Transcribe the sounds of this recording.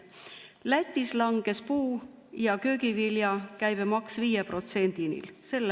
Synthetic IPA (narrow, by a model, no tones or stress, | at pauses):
læt̪ʲːˑislɑŋɡ̥e̞spuː | jɑkø̞ːɡiviljɑkæjb̥emɑksviːjepro̞t̪se̞nʲd̪̥inḭlse̞lː